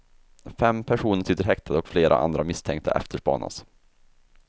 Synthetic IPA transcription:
fɛmːpʰæʂuːnəʂʏt̪ːəɾɦɛk̚t̪ʰad̪əɔkfleːɾʔa̰ʔa̰nd̪ɾamɪst̪ʰɛŋkt̪ʰa̰ʔɛ̰ft̪ʰəʂpɑ̰ːna̰s

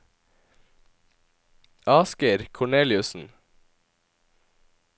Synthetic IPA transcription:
ʔɑːskəɾkʰʊɳeːlɪʉsn̩

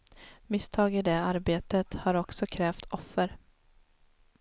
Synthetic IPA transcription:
mɪst̪ʰɑːɡɪd̪ɛːaɾbeːt̪ət̪haɾɔksɔkʰɾɛːft̪ʰɔfːəɾ

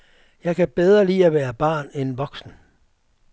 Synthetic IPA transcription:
jɑ̈ɪkʰæb̥eð̞ˠʁɐlḭːæʋæːɐb̥ɑ̰̈ːnenʋɒ̽ɡ̥sn̩

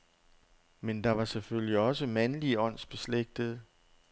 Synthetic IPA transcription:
mend̥ɑ̈ʋɑ̈sefølliɒ̽səmænliɒ̽n̰sb̥e̝sleɡ̥̚d̥əð̞̩ˠ

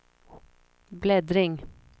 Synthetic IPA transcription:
blɛd̪ɾɪŋ

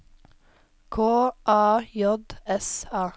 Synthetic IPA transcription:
kʰoːʔɑːjɔd̪ɛsɑː

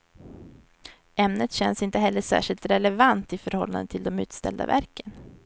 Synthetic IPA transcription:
ɛmnət̪ɕɛnsɪnt̪əɦɛlːəʂæ̰ːʂɪlt̪ɾɛlɛvant̪ɪfœɾhɔlːa̰nənt̪ʰɪld̪ɔmʉ̟ːt̪st̪ɛ̰ld̪a̰væ̰ɾkən

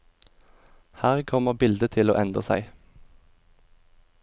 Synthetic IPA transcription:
hæːʁkʰɔməʁbɪld̪ət̪ʰɪlo̰ːʔɛnd̪ʁəsæ̰ɪ

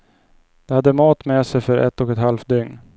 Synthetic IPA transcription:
d̪̥ɛhad̪ːəmɑːt̪mɛːsɛjfœɾʔɛ̰t̪ːɔkɛt̪halfd̪ʏŋn

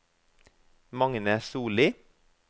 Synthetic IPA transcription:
mɑŋnəsuːliː

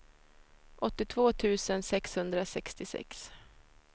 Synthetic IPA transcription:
ʔɔt̪ːɪt̪ʰvoːt̪ʰʉ̟ːsənsɛkshɵnd̪ɾasɛkst̪ɪsɛ̰ks

